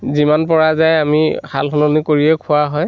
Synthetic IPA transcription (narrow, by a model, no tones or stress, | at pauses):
zimanpɔɹazajamihʰa̰lɦɔnɔnikoɹiɛkʰʊaɦɔj